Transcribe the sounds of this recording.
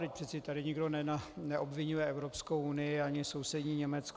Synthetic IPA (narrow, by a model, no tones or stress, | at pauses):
d̪ɪc̚pr̥ɛt̪t͡sɛt̪adɪɲɪɡdo̞nɛnanɛʔobvɪɲujɛʔɛvɾopskowunɪjɪaɲɪso̞wsɛdɲiːɲɛmɛt͡sk